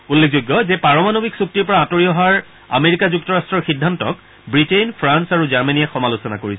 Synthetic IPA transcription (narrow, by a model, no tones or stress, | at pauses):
ulːekʰzojɡːɔzɛpaɹɔmanobiksuk̚tiɹpɔɹaːtoɹiɔɦaɹ | a̰meɹikazuk̚tɔɹastɹɔɹxidʱːantɔ̰k | bɹitenpʰɹansaɹuzaɹmaniaxɔmalosɔnakoɹisɛ